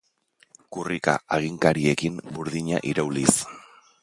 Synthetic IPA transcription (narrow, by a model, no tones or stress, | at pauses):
kurika̰aɣ̞iŋkaɾie̞kimbuɾðiɲa̰ʔiɾawlis